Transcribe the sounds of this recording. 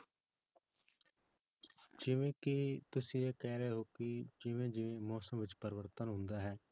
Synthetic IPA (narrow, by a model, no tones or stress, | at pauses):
d͡ʒɪʋẽːkɪt̪ʊsĩːeːkɛːɾeːɦoːkɪd͡ʒɪʋẽːd͡ʒɪʋẽːmɔːsəmʋɪt͡ʃpəɾɪʋəɾt̪ənɦʊ̃nd̪aːɦɛː